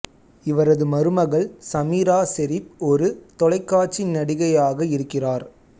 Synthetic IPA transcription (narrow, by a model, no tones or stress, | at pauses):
ɪʋɐɾɐðɯmɐɾɯmɐɣɐɭsɐmiːɾaːsɛɾɪp̚ɔɾɯt̪ɔlɐɪkːaːʈ̚t͡ʃɪnːɐɽɪɣɐjaːɣɐɪɾɯkːɪraːɾ